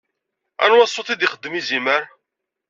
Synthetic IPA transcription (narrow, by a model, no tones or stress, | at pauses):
æ̰nwɑsˤːoθid̪iχəd̪ːmiziməɾ